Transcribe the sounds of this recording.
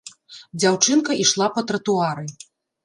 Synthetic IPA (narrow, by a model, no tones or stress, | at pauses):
d͡zʲawt͡ʂɨnkɐʔiʂlˠapɐt̪ɾɐt̪uaɾɨ